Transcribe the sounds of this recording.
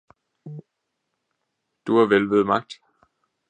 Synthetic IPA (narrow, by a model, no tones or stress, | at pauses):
d̥uhɑ̈ʋelʋeð̞̩ˠmɑ̈ɡ̥̚d̥